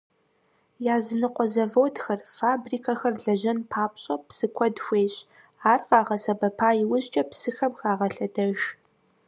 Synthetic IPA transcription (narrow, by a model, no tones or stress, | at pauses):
jaːzɨnɨqʷɔzɐvoːdxɐrfaːbriːkʰɐxɐrɮɐʑɐnpʰaːpɕʼɐpsɨkʷʰɔdxʷeːɕʼ | aːrqɑːʁɐsɐbɐpʰaːjɪwʊʑt͡ʃʼɐpsɨxɐmxaːʁɐɬɐdɐʒ